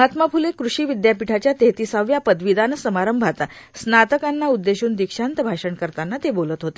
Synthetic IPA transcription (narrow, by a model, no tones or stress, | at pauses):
at̪məpʰulekɾuɕiːʋid̪japiʈʰat͡ɕjat̪et̪isaʋjapəd̪ʋid̪anəsəmaɾəmbʱat̪ | snat̪əkanːaud̪ːeɕuːnd̪ikʂant̪əbʱaʂəɳkəɾt̪anːat̪ebolət̪ɦot̪e̥